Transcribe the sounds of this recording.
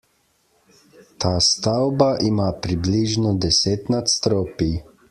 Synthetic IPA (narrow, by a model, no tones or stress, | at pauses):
t̪aːst̪awbaʔimaːpɾibliʒnɔd̪ɛseːt̪nat̪st̪ɾoːpi